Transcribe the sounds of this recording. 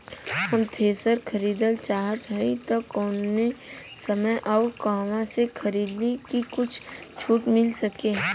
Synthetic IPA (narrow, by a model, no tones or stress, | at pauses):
hɐmt̪ʰeːsəɾkʰɐɾiːd̪əlt͡ʃaːɦət̪ɦɐit̪okɔːnesɐməjʔɔːɾkaːʋãsekʰɐɾiːd̪nekikʊt͡ʃʰt͡ʃʰuːʈmɪlsəkẽː